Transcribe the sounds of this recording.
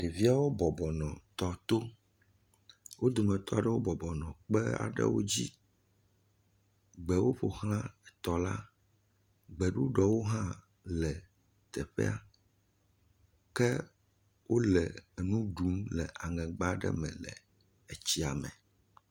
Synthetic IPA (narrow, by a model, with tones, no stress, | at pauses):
ɖe˨vi˦a˦wo˦bɔ˨bɔ˨nɔ̃˨t̪ɔ˨t̪o˦ | wo˦d̪o˨mɛ̃˨t̪ɔ˦a˨ɖɛ˦wo˦bɔ˨bɔ˨nɔ̃˨k͡pɛ˦a̰˨ɖɛ̰˦wo̰˦d͡ʑi˦ | ɡ͡bɛ˨wo˦ɸo˨hl̃ã˦ɛ˨t̪ɔ˨la˦ | ɡ͡bɛ˨ɖu˦ɖɔ˨wo˦ɦã˦ | lɛ˨ | t̪ɛ˨ɸɛ̰˦a˨ | kɛ˦ | wʔo˦lɛ˨nũ˦ɖu˨˦mlɛ˨ʔa˨ŋɛ̃˨ɡ͡ba˦ɖɛ̰˦mɛ̰̃˨lɛ̰˨ | e˨t͡ɕi˦a˨mɛ̰̃˨